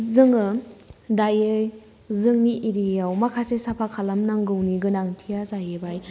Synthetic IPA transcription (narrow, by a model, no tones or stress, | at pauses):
zɯŋɯdajɯj | zɯŋniʔeɾijawmakʰasesapʰakʰalamnaŋɡɯwniɡɯnaŋtʰijazajɯbaj